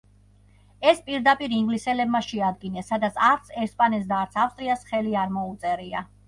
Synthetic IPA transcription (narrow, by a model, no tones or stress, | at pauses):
ɛspʼiɾd̪apʼiɾiŋɡlisɛlɛbmaʃɛad̪ɡinɛsːad̪at̪sʰaɾt̪sʰɛɾspʼanɛt̪s̬d̪aːɾt̪sʰafst̪ʼɾiasχɛliaɾmɔut̪sʼɛɾia